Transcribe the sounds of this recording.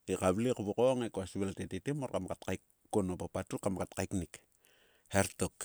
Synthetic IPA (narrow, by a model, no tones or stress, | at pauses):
ikaβlikuβukoŋekoasiβeltetitimorkamkatkajkːonopapatukamkatkaiknik | heɾtok